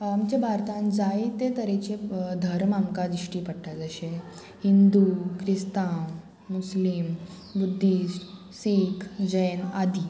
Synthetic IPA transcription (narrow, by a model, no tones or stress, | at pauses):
amt͡ɕebʱaɾt̪ãnd͡zait̪et̪əɾẽt͡ɕed̪ʱəɾmamkad̪iʂʈiːpəɽʈad͡zəɕe | hind̪ukɾist̪amː | uslim | bud̪ʱːis | siːkʰd͡ʑənad̪i